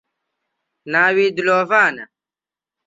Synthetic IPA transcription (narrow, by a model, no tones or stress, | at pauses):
naːwiːd̪uloːfaːnɐ̰